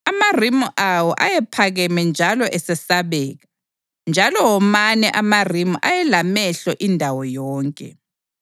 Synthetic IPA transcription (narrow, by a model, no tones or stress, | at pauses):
amarimuʔawɔʔajɛpʰaɣɛmɛnd͡ʒʱalɔʔɛsɛsaβɛːɣa | nd͡ʒʱalɔwɔmanɛʔamarimuʔajɛlamɛɬɛʔindʱawɔjɔːŋkʼɛ̰